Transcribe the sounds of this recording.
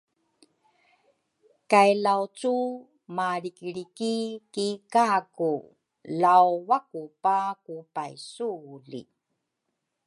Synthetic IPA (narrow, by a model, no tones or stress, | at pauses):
kajlawt͡su | maɭikɭikikikaku | lawwakupakupajsuɮḭ